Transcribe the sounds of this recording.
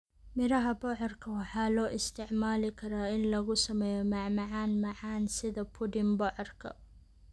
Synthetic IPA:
mɪɾɐɦɐbɔʕɔrkʰɐwɑħɑːlɔːʔɪst̪ʰɪʕmaːlɪkʰɐɾaːɪnlɐɣʊsɐmɛːjɔmɑʕmɑʕaːnmɑʕaːnsɪðɐpʰʊdɪmbɔʕɔrkʰɐ̰

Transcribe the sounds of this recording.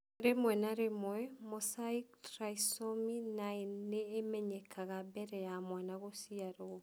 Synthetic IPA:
ɾemwɛnaɾemwɛmosaiktɾaisominaenːeːmɛɲɛkʰaɣabɛɾɛjamwanaɣosiaɾo

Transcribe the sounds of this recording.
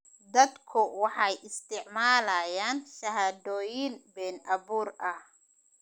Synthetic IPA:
d̪ɐd̪kʰʊwɑħɑjʔɪst̪ʰɪʕmaːlɐjaːnʃɐɦaːd̪ɔːjɪnbɛːnʔɐβuːrɐh

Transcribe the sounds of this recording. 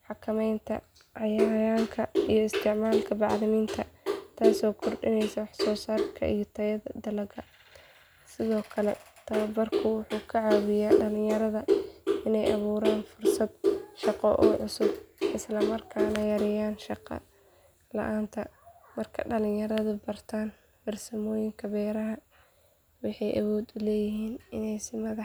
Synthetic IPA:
ħɑkʰɐmɛjnt̪ʰɐ̰ | ʕɑjaɾjaːŋkʰɐijɔɪst̪ʰɪʕmaːlkʰɐbɑʕðɪniːnt̪ʰɐt̪ʰaːsɔːkʰɔrɖɪnɛjsɐwɑħsɔːsaːrkʰɐ̰ʔḭjɞt̪ʰɐjɐðɐd̪ɐlɐɡɐ | sɪðɔːkʰɐlɛ̰t̪ʰɐwɐbɐrkʰʊwʊħuːkʰɐʕaːwɪjaːɖɐlɪ̃jɐɾɐðɐɪnɛjʔɑ̰βuːɾaːnfʊrsɐd̪ʃɑqɔʔɔːʕʊsʊbʔɪslɐmɐrkʰaːnɐjɐɾɪjaːnʃɑqɑ̰ | lɐ̰ʔaːnt̪ʰɐmɐrkʰɐɖɐlɪ̃ŋjɐɾɐðʊbɐrt̪ʰaːn | fɐrsɐmɔːjɪŋkʰɐbɛːɾɐɦɐ | wɑħɑjʔɐwɔːd̪ʊlɛːjɪɦiːnɪnɛjsɪmɐðɑ

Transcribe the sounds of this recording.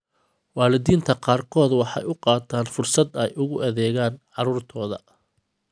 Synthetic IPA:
wɑːlɪðiːnt̪ʰɐqɑːrkʰɔːd̪wɑħɑ̰jʊqɑːt̪ʰaːnfʊrsɐd̪ɛjʔʊɣʊʔɐðɛːɣaːnʕɑɾuːrt̪ʰɔːðɐ̰

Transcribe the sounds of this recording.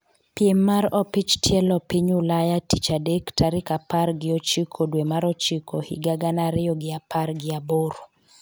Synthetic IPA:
pjemːaɾɔpit͡ʃtʰjɛlɔpiɲʊlajatit͡ʃadektʰaɾɪkaparɡɪɔt͡ʃikʰodwemaɾɔt͡ʃikʰohḭɡaɡanaɾɪɔɡɪapʰarɡɪaboɾ

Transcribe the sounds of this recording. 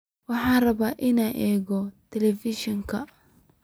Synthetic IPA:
wɑħɑːrɐβaːʔɪnɐʔɛːɣɔt̪ʰɛlɛfɪʃɔŋkʰɐ

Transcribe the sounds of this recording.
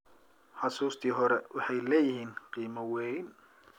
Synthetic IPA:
ħɑsuːst̪ʰiːɦɔɾɛwʔɑħɑjlɛːjɪhiːnqiːmɐwɛjn

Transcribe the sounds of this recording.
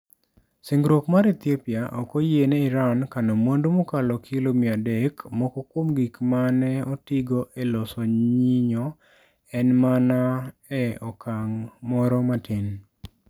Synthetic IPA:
sɪŋɡɾokmaɾet̪jepjaʔɔkɔjenɛiɾankanɔmwondumɔkalɔkʰɪlomiadɛkmɔkɔkwomɡikmanɛɔtiɡoʔelɔsɔɲɲiɲɔ | ɛnmanaɛɔkaŋmɔɾɔmatɪn

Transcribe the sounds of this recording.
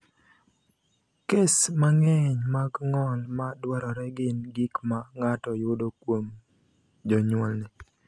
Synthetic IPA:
kesmaŋeɲmaɡŋɔlmadwɛɾɔɾɛɡɪnɡikmaŋatɔjʊdokwom | d͡ʒɔɲwɔlnɪ

